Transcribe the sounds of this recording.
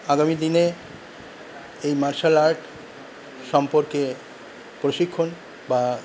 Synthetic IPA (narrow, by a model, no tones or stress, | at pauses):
aɡamid̪ine | ejmaɾʃalaɾʈ | ʃɔmpoɾke | pɾoʃikʰːon | ba